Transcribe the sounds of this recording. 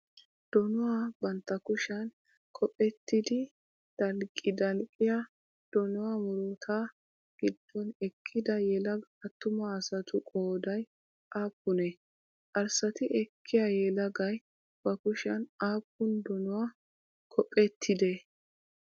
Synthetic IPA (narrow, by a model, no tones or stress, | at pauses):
d̪̥ɔnʊwabɐnt̪ːɐkʊʃɐn | kʰɔpʼɛt̪ːɪd̪ɪ | d̪̥ɐlkʼːɪd̪ɐlkʼɪja | d̪̥ɔnʊwamʊɾot̪ʰa | ɡ̥ɪd̪ːɔnɛkʰːɪd̪ɐjɛlɐɡɐt̪ːʊmɐːsɐt̪ʊkʼoːd̪ɐj | ʔaːpːʊnɛ | kʼɐɾsɐt̪ɪʔɛkʰːɪjajɛlɐɡɐj | b̥ɐkʊʃɐnaːpːʊnd̪ɔnʊwaː | kʰɔpʼːɛt̪ʰːɪd̪ɛ